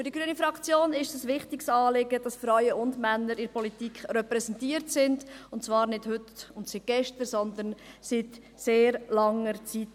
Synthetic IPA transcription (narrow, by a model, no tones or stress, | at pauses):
fyɾd̥iɡɾyənifɾɑkt͡sjoːnɪʃsəsʋɪχtɪksɑːlɪɡəd̥ɑsfɾɔɥəʊndmænːəɾɪɾpʰɔlitikχɾɛpɾɛsɛntiːəɾtsɪndʊntt͡svɑːɾnɪd̥hʏtʊntsit̚ɡ̥ɛʃtəɾsɔnd̪ənsit | seːɾlɑŋəɾt͡sit